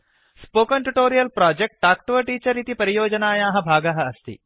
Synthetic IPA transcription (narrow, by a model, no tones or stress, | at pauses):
spoːkɐɳʈuʈoːɾijɐlpɾaːd͡ʒek̚ʈ̚ʈaːkʈʋɐʈiːt͡ʃɐɾit̪ipɐɾijoːd͡ʒɐnaːjaːɦɐ̆bʱaːɡɐɦɐ̆ɐst̪ḭ